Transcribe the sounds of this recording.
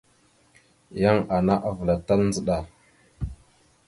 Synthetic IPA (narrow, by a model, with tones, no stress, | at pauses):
ja˦ŋa˨na˦ʔa˨və˨la˨ta˦ln˦d͡zə˦ɗa˨